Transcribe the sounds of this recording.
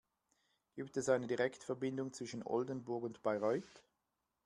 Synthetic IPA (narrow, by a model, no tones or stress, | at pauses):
ɡ̥iːp̚tɛsaɪnədiʁɛktfɛɐbɪndʊŋt͡sv̥ɪʃənʔɔ̰ldənbʊɐkʊntb̥aɪʁɔʏt